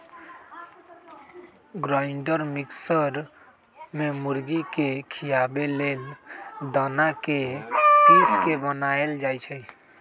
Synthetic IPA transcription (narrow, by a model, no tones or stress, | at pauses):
ɡɾaɪɳɖəɾmiksəɾ | memuɾɡikekʰijabeleld̪anakepiskebənaeld͡ʒajt͡ʃʰəj